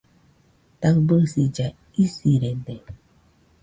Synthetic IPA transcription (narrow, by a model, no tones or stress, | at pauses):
t̪akbɯsid͡ʒa | isiɾende